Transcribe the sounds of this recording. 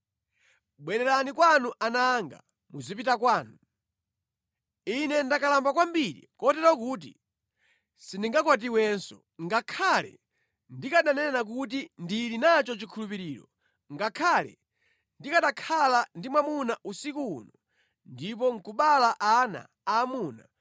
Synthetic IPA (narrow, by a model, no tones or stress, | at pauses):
ɓwɛnɛɾanikwanuʔanaŋɡa̰ | muzipitakwaːnu | inɛndakalambakwambiɾḭkɔtɛɾɔkuːt̬i | siniŋɡakwat̬iwɛnsɔ | ŋɡakʰalɛ̰ | ndikaɗanɛnak̬ut̬indilinat͡ʃɔt͡ʃikʰulupiɾiːɾɔ | ŋɡakʰalɛ̰ | ndikaɗakʰalandimwamunaʔusikuṵnɔ | ndip̬ɔŋ̩kuɓalaʔana̰ːmuna̰